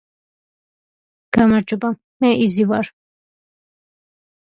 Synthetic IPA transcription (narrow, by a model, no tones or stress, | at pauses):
ɡ̥amaɾd͡ʒɔba | mɛʔizivaɾ